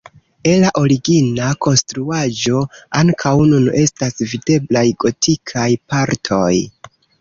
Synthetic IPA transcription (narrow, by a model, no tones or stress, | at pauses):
elaʔo̞ɾiɡinako̞nstɾuad͡ʒo̞aŋkʰawnune̞stasvide̞blajɡo̞tʰikʰajpaɾtʰo̞j